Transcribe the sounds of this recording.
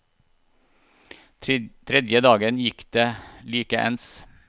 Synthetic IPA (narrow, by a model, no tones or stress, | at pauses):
t̪ʰɾɛd̪jəd̪ɑːɡənjɪkd̪̥eːliːkəʔɛ̰ns